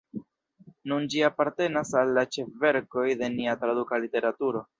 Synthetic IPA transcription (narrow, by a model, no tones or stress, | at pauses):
nund͡ʒiapaɾte̞nasalːat͡ʃe̞fve̞ɾko̞jde̞niatɾadukalite̞ɾatuɾo̞